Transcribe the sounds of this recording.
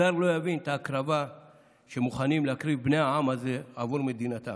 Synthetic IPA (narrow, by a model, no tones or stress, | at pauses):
aɾlo̞javint̪aːkɾava | ʃemuχanimleakʁibbnejaamazeavuɾmed̪inat̪a̰